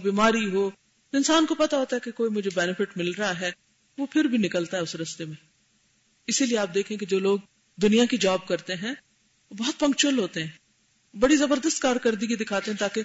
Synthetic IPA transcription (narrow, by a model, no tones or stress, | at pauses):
biːmaːɾiɦoː | t̪oɪnsaːnkopɐt̪aɦoːt̪aɦɛkekoːimʊd͡ʒʱebɛːnɪfʰɪʈmɪlɾɐɦaɦɛː | ʋopʰɪɾbʱinɪkəlt̪aɦɛʊsɾɐst̪emẽː | ɪsilieaːp̚d̪eːkʰẽẽked͡ʒoːloːɡ̚ | d̪ʊnijãkid͡ʒaːb̚kɐɾt̪eɦɛ̃ː | obɔːɔt̪̚pɐ̃ŋkt͡ʃʊəlɦoːt̪eɦɛ̃ː | bɐɽizɐbəɾd̪əst̪kaːɾkəɾd̪iɡid̪ɪkʰaːt̪eɦɛ̃t̪aːke